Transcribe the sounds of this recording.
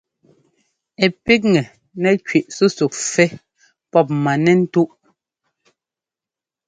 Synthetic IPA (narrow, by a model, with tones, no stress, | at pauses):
ɛ˨pi˦k̬̚ŋɛ˨ | nɛ˨kɥi˨ʔsu˦su˨k̚fɛ˦ | pɔ˦p̚ma˨nɛ˦˨n̩˦tu˦ʔ